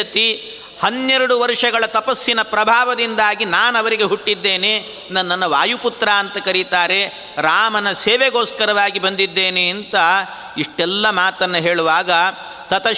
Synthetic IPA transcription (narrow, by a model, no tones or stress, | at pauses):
ɐt̪i | hɐnːɛɾuɽuʋɐɾʂɐɡɐɭɐt̪ɐpɐsːinɐpɾɐbʱaːʋɐd̪ind̪aːɡinaːnɐʋɐɾiɡe̞ɦuʈːid̪ːe̞ːne̞ | nɐnːɐnːɐʋaːjuput̪ɾaːnt̪ɐkɐɾit̪aːɾe̞ | ɾaːmɐnɐseːʋeɡoːskɐɾɐʋaːɡibɐnd̪id̪ːeːneːnt̪ɐ | iʂʈɛlːɐmaːt̪ɐnːɐɦeːɭuʋaːɡɐ | t̪ɐt̪ɐ